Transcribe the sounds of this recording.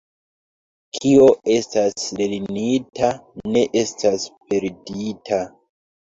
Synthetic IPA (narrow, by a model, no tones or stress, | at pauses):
kʰio̞e̞stasleɾinitane̞ʔe̞staspe̞ɾditʰa